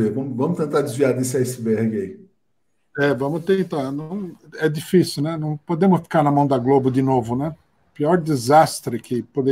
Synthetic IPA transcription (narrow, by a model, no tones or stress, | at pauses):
evɐ̃mʊvɐ̃mʊt̪ẽnt̪ad̪ɪzviad̪isasbɛɾɡɪɐi | ɛvɐ̃mʊt̪ẽnt̪aɾnɐ̃w̃ɛd̪ifisiuwnɛnɐ̃w̃pod̪ẽmʊsfi̥kaɾnɐmɐ̃w̃d̪ɐɡlobʊd̪ɪnovʊnɛ | piɔɾd̪izast̪ɾɪkʰɪpod̪e